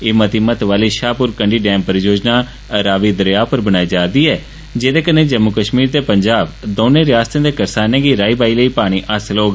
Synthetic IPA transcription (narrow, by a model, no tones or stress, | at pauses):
eːmət̪iːmət̪ʋaːliːʃaːpʊɾkəɳɖiːɖɛ̃ːmpəɾjoːd͡ʒnaː | ɾaːʋiːd̪əɾjaːpəɾbənaːiːd͡ʒaːd̪iːɛː | d͡ʒeːd̪eːkənːeːd͡ʒəmːʊkəʃmiːɾt̪eːpəɲd͡ʒaːbd̪oːnẽːɾɪjaːst̪ẽːd̪eːkəɾsaːnẽːɡiːɾaːiːbaːiːləiːpaːɽ̃iːʔəsloːɡ